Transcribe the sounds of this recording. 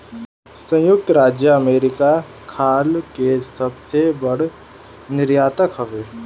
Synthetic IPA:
sɐ̃jʊk̚t̪ɾaːd͡ʒjəɐmeːɾɪka | kʰaːlkesɐbsebəɽ | nɪɾjaːt̪əkɦɐʋeː

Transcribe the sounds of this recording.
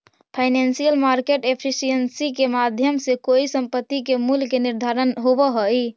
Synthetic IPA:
pʰaɪnensijəlmaɾkeʈepʰisijənsikemad̪ʱjəmsekoisəmpət̪ːikemulkeniɾd̪ʱaɾənɦobəɦəi

